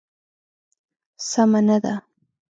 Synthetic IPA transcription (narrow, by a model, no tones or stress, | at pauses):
samanad̪a